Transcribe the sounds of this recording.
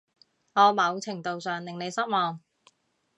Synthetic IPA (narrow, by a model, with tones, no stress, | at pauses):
ɔː˨˧mɐ˨˧wt͡sʰɪ˨˩ŋt̪o˨wsœː˨ŋlɪ˨ŋne˨˧jsɐ˥t̚mɔː˨˩ŋ